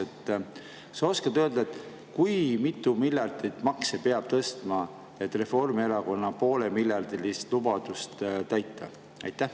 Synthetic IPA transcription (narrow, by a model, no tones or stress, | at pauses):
et̪ːˑ | seo̞skɑt̪øːld̪̥ɑet̪ˑ | kujmit̪ːˑumilʲjɑrd̪it̪ːmɑksepe̞ɑb̥̚t̪ɤst̪mɑ | e̞t̪ːˑre̞fo̞rmieɾɑko̞nːɑpo̞ːle̞milʲjɑrd̪ilist̪lubɑd̪̥ust̪t̪æjt̪ːɑ̰ | ɑ̰jt̪ːˑæh